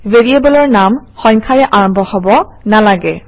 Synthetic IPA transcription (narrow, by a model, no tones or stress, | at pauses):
veɹiebɔlɔɹnamxɔ̃ɲkʰaɹɛʔaɹɔmbʱɔhɔbɔnalaɡɛ